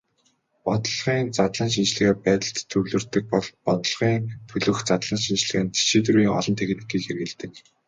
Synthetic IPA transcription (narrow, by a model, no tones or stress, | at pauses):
pɔt̪ɞ̆ɮʁiːnt͡sat̪ɮə̆nʃ̬int͡ɕɮɘ̆ɣæːpæːt̪ə̆ɬt̪ʰːɵɣɮɘ̆rt̪ɘ̆k̚pɔɮpɔt̪ɞ̆ɮʁiːŋt̪ʰɵɮɵ̆xt͡sat̪ɮə̆nʃint͡ɕɮɘ̆ɣɘ̆nt̪ʰi̥ʃiːt̪̬ruiːŋɔ̰ɮɞ̆nt̪ʰeɣɘ̆t̪ɘ̆kːiːkxerɣɘ̆ɮt̪ɘ̆k